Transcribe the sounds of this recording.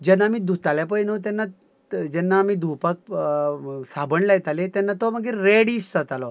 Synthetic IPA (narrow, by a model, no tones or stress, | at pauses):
d͡ʑɛnamiːd̪ʱut̪alɛpəjnot̪̬ɛnːa | d͡ʑɛnːaːmid̪ʱupak̚ | sabəɳlajɛt̪alet̪ɛnːat̪ɔməɡiɾeɽissət̪alɔ